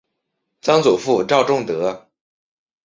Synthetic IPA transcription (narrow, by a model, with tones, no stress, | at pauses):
t͡sɑ˥ŋt͡su˨˩fu˥˧ʈ͡ʂɑ˥˧ʊʈ͡ʂʊ˥˩ŋt̪ɤ˧˥